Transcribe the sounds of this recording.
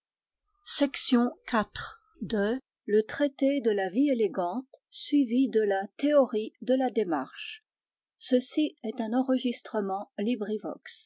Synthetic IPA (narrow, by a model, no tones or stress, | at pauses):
sɛksjɔ̃kat̪χ | d̪ə | lət̪χet̪ed̪əlavieleɡɑ̃t̪sɥivid̪əlat̪eɔʁid̪əlad̪ema̰ʁʃ | səsiɛt̪ɛ̃nɑ̃ʁəʒist̪χəmɑ̃libʁivɔ̰ks